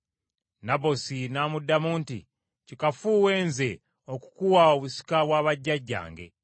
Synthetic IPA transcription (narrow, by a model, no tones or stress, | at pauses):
nabo̞sinamudːamuːntḭ | cikafuːwe̞ːnze̞ | oku̥kuwaoβusi̥kaβwaːβaɟːaɟːa̰ːŋɡe̞̰